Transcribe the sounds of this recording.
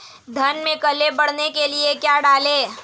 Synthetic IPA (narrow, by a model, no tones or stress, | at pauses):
d̪ʱɐnmẽkɐlebɐɽ̤nekeliekjaːɖaːleː